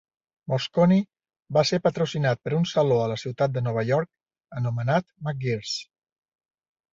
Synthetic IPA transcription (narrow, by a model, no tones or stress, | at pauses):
moskɔni | baseɾpət̪ɾusinat̪̚pəɾunsəloələsiwt̪at̪̚d̪ənɔβ̞əʎɔɾk̚ | ənumənat̪mak̚ɡiɾs